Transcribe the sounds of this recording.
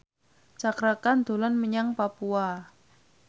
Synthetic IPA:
t͡ʃakɾakand̪̥o̤lɔnməɲaŋpapua

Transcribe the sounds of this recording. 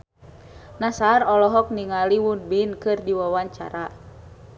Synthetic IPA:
nasarɔlɔɦɔk̚niŋaliwunbinkɨrdiwawaɲt͡ʃa̰ɾa

